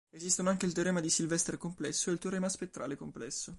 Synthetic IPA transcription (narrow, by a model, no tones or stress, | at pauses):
ezist̪onoaŋk̟eilt̪̬oɾɛːmad̪isilvɛst̪ɾekomplɛsːoelt̪eɾɛːmaspet̪ːɾa̰ːlekomplɛsːo